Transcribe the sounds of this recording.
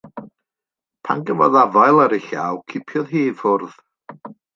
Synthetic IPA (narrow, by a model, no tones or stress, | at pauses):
pʰa̰nɡəvɔ̰ðavajlˠaɾɪɬa̰wkʰɪpʰjɔðɦiːfʊrð̥